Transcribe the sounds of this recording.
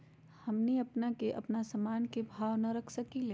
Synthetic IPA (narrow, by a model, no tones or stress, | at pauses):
hɐmniɐpnakeʔɐpnasɐmaːnkebʱaːʋnɐɾɐkʰsɐkileː